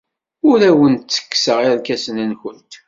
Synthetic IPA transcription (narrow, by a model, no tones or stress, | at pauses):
ʊɾæwənt̪t͡sːə̥kːsəʁiɾkæsənænçənt̪